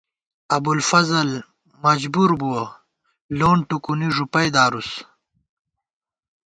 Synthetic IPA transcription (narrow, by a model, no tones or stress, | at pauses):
ɐbulfɐzɐl | mɐd͡ʑbuɾbuwɐ | loːɳʈukuniʐupɐjd̪aːɾus